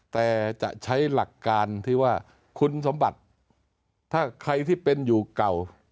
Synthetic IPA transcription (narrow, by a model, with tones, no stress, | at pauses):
t̪ɛː˨˩t͡ɕa̰˨˩ʔt͡ɕʰa˦˥jla˨˩kːaː˧nt̪ʰiː˥˩waː˥˩ | kʰu˧nso˩˦mba˨˩t̪̚ʰː | aː˥˩kʰɾa˧jt̪ʰiː˥˩pe˧njuː˨˩ka˨˩w